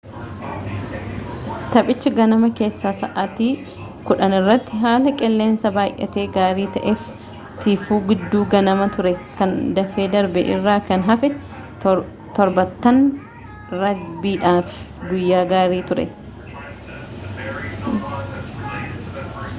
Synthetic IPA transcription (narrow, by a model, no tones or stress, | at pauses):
t̪ɐpʼɪt͡ʃːɪɡɐnɐmɐke̞ːsːaːsɐʔɐt̪iː | kʊᶑɐnɪrːɐt̪ːɪɦaːlɐkʼɛlːe̞ːnsɐbaːʔʼɐ̰t̪e̞ːɡaːɾiːt̪ɐʔɛf | t̪ʰiːfuːɡɪd̪ːuːɡɐnɐmɐt̪ʊɾɛkɐnd̪ɐfeːd̪ɐɾbɛ̰ʔɪ̰rːaːkɐnɦɐfɛ | t̪ɔɾbɐt̪ːɐn | ɾɐbiːᶑaːfɪ̥ | ɡʊjːaːɡaːɾiːt̪ʊɾɛ̰